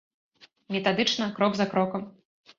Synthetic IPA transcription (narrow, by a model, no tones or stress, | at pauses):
mʲɛt̪ad̪ɨt͡ʂnɐkɾɔɡzɐkɾɔkɐm